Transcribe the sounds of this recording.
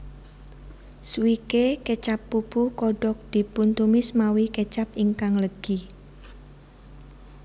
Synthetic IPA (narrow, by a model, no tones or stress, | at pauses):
swikeket͡ʃapːub̥ukɔɖ̥ɔk̚d̪̥i̤punt̪umɪsmawiket͡ʃapiŋkaŋləɡ̥i